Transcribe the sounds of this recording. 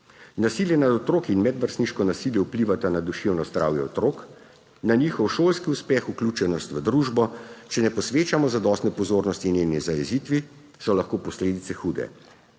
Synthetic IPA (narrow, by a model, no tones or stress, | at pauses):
nasiljɛnad̪ɔt̪ɾoːkinmɛd̪ʋəɾst̪niʃkɔnasiljɛupliʋat̪anad̪uʃewnɔzd̪ɾa̰ːwjɛɔt̪ɾoːk | naniːxɔwʃoːlskiuspɛxuklʲuːt͡ʃɛnɔst̪ʋəd̪ɾuːʒbɔt͡ʃɛnɛpɔsʋeːt͡ʃamɔzad̪ɔst̪nɛpɔzoːɾnɔst̪ineːwnizajɛzit̪ʋi | sɔlaxkoːpɔsleːd̪it̪sɛxuːd̪ɛ̰